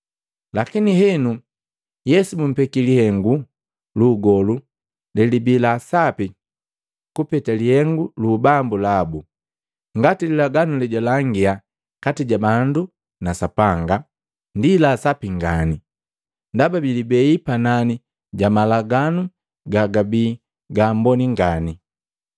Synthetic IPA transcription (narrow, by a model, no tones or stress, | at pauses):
lakiniɦɛnu | jɛsumum̩pɛkilihɛŋɡu | luɡɔlu | lɛlibilasapi | kupɛtalihɛŋɡulubambulabu | ŋɡatililaɡanulɛɟɔlaŋɡia | katiɟabandu | nasapaŋɡa | ndilasapiŋɡani | ndababilibɛipanani | ɟamalaɡanu | ɡaɡabi | ɡaːmbɔniŋɡani